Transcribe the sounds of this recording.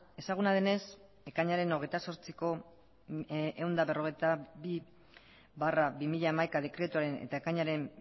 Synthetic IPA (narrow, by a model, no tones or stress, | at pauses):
e̞saɣ̞unaðene̞s | ekaɲaɾe̞no̞ɣ̞e̞jt̪aso̞ɾt͡siko̞ | ewnd̪aβe̞ro̞ɣe̞jt̪abi | βarabimiʎaːmajkaðe̞kɾe̞t̪uaɾe̞nḛt̪aekaɲaɾe̞m